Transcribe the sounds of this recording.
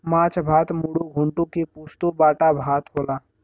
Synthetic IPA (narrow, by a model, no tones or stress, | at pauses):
mãːt͡ʃbʱaːt̪muɽoɡʱʊɳʈõkipoːst̪obaːʈabʱaːt̪ɦoːlaː